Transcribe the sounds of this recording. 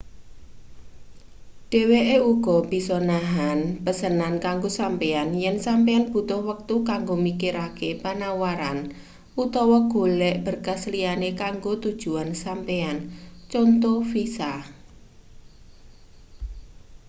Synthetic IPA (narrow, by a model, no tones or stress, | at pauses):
ɖ̥e̤weʔeuɡ̥ɔ̤b̥i̤sɔnaɦanpəsənankaŋɡosampeanjɛnsampeanb̥ṳt̪ʊhwək̚t̪ukaŋɡomikiɾakepanawaɾan | ʔut̪ɔwɔɡ̥o̤lɛʔb̥ə̤rkaslianekaŋɡot̪ud̥ʒ̥ṳansampeant͡ʃɔnt̪ɔfisa